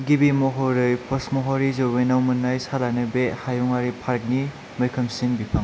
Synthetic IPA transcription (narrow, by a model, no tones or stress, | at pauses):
ɡibimɔɦɔɾɯjpʰɔsmɔɦɔɾizowbejnawmɯnːajsalanɯbehajɔŋaɾipʰaɾk̚ni | mɯjkʰɐmsinbipʰaŋ